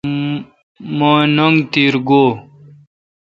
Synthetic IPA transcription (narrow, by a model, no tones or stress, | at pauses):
manɐŋɡt̪iːɾɡoː